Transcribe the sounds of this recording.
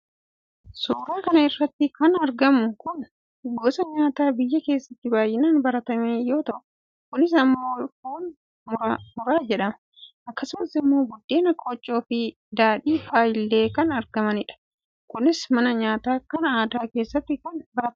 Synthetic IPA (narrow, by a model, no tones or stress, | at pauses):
suːɾaːkɐnɐɪrːɐt̪ːɪkɐnɐɾɡɐmʊkʊn | ɡoːsɐɲaːt̪aːbɪjːɐke̞ːsːɐt̪ːɪbaːjːɪnaːnbɐɾɐt̪ɐmeːjo̞ːt̪ɐʔʊ | kʊnɪs̬ɐmːo̞ːhoːn | mʊɾaːd͡ʒɛᶑɐmɐ̥ | ʔɐkːɐsʊmɐsɪmːo̞ːɡʊd̪ːe̞ːnɐkʼoːt͡ʃʼːo̞ːfɪ | d̪aːᶑiːfaːjɪlːe̞ːkɐnɐɾɡɐmɐnɪᶑɐ̥ | kʊnɪsmɐnɐɲaːt̪aːkɐnɐaːd̪aːke̞ːsːɐt̪ːɪkɐnbɐɾɐt̪ɐ